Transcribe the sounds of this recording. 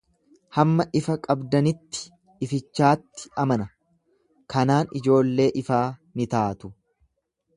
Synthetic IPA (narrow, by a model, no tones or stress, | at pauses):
hɐmːɐʔɪfɐkʼɐbd̪ɐnɪt̪ːɪ̥ː | fɪt͡ʃːaːt̪ːɪ̥ɐmɐnɐ | kɐnaːnɪd͡ʒo̞ːlːe̞ːʔɪfaːnɪt̪aːt̪ʊ